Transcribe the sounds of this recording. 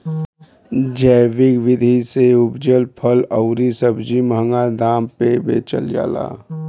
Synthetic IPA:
d͡ʒəːʋɪkʋɪd̪ʱiseʊbd͡ʒəlpʰələʊɾisəbd͡ʒimɦəŋɡad̪aːmpebḛːt͡ʃə̰ld͡ʒa̰ːla̰ː

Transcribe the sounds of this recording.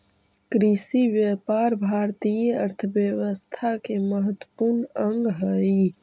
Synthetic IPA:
kɾisiʋjəpaɾbʱaɾt̪ijəəɾt̪ʰəʋjəʋəst̪ʰakeməɦət̪wəpuɾnəŋɡɦəi

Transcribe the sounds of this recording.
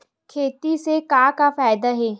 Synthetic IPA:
kʰeːt̪isekaːkafaːjd̪aɦɛː

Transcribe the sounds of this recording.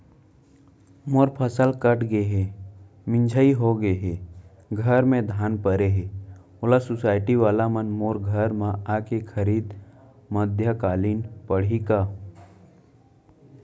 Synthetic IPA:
moːɾpʰəsəlkəʈʰɡəeɦe | mɪ̃nd͡ʒʱaiɦoɡəeɦeː | ɡʱɐɾmẽd̪ʱaːnpəɾeɦe | olasʊsaːɪʈiʋaːlamənmoːɾɡʱəɾmãaːkekʰəɾiːd̪ | məd̪ʱjəkaːliːnpəɽ̤ikaː

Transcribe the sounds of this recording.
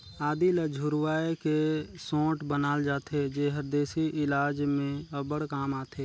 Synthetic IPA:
aːd̪iləd͡ʒʱʊɾwaːekesõːʈbənaːld͡ʒaːt̪ʰed͡ʒeːɦəɾd̪eːsiʔɪlaːd͡ʒmẽəbəɽkaːmaːt̪ʰeː

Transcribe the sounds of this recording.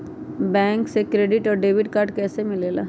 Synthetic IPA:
bɛ̃ːŋksekɾeːɖɪʈɔːɾɖeːʋɪɖkaːɾɖkɛːsemɪleːla̰ː

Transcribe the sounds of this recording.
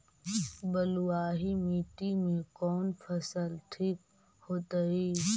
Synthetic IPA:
bəlʊwaːɦimiːʈimẽkɔːnpʰɐsəlʈʰiːk̚ | hoːt̪əɦiː

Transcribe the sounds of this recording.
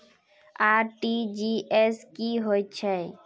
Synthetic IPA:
aɾʈid͡ʒieskiɦojt͡ʃʰɛ

